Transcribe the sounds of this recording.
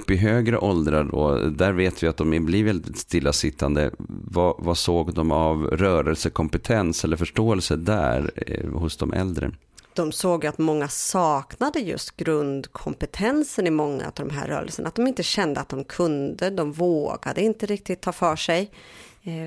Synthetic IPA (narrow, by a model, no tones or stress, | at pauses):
pːɪɦøːɡɾəʔɔld̪ɾaɖɔ̰d̪æɾveːt̪vɪat̪̚d̪ɔmɪblivɛlɪd̪ɪt̪st̪ɪlːasɪt̪ʰːand̪ə̰vavasoːɡd̪ɔmavɾœːɾəlsəkʰɔmpɛt̪ʰɛnsɛlːəɾfœʂʈoːɛlsəd̪æ̰ɾhʊsd̪ɔmʔɛ̰ld̪ɾə̰ | d̪̥ɔmsoːɡjat̪mɔŋːasɑːknad̪əjɵ̰st̪ɡ̥ɾɵnd̪kʰɔmpɛt̪ʰɛnsənɪmɔŋːa̰ɵ̰t̪d̪ɔ̰mɦæ̰ːɾœ̰ːɾə̰lsənʔat̪̚d̪ɔmɪnt̪əɕɛnd̪əat̪̚d̪ɔmkʰɵnd̪əd̪ɔmvoːɡa̰d̪əɪnt̪əɾɪk̚t̪ɪɡt̪ʰːɑːfœːʂɛj